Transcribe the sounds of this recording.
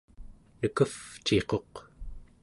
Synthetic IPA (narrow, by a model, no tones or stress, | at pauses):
nəkəft͡ʃe̞qo̞q